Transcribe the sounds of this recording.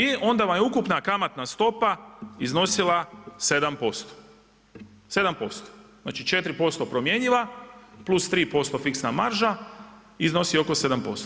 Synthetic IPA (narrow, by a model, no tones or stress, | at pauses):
io̞nd̪aʋamjeukupnakamat̪nast̪o̞paizno̞silase̞d̪ampo̞st̪o̥ | se̞d̪ampo̞st̪o̥zna̰ːt͡ʃit͡ʃe̞t̪ɾipo̞st̪opɾo̞mje̞ɲiʋaplˠust̪ɾiːpo̞st̪o̞fiksnamaɾʒaizno̞sio̞ko̞se̞d̪ampo̞st̪o